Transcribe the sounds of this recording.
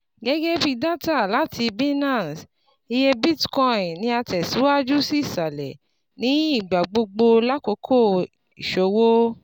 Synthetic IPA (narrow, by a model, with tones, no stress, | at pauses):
ɡɛ˦ɡɛ˦fi˧da˦ta˦˨la˨˦tʰi˧bi˦nã˦˨s | i˧je˧bi˦tkɔ˦˨ĩ˨nĩ˧a˧tɛ˨si˨˦wa˦d͡ʒu˦si˦˨sa˨lɛ˨ | nĩ˨˦i˦˨ɡ͡ba˨ɡ͡bo˧ɡ͡bo˧la˦ko˧˦kʰo˦˨ | i˨ʃo˨˧wo˦